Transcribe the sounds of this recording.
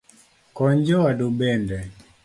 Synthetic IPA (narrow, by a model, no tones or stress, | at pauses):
kɔɲd͡ʒɔwadubɛndɛ